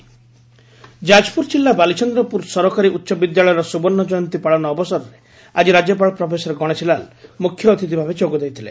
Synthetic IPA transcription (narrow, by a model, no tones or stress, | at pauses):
d͡ʒad͡ʒpuɾt͡ʃilːabalit͡ʃɔnd̪ɾɔpuɾsɔɾɔkaɾiʔut̪ːʃɔbid̪jaɭɔjɔɾɔsubɔnːɔd͡ʒɔjɔnt̪ipaɭanɔːbɔsɔɾɔɾe | ad͡ʒiɾad͡ʒjɔp̬aɭɔpɾɔpʰesɔɾɡɔɽ̃et͡ʃʰilalmukʰjɔt̪ʰit̪ibʱabet͡ʃoɡɔd̪ejt̪ʰilḛ